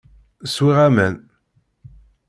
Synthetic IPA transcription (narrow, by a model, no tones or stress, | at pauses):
swiʁæmæn